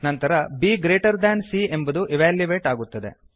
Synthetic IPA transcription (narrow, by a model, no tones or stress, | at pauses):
nɐnt̪ɐɾɐbiːɡɾeːʈɐɾd̪ɐnsiembɐd̪uʔiʋaːljuʋe̞ːʈaːɡut̪ːɐd̪e̞̰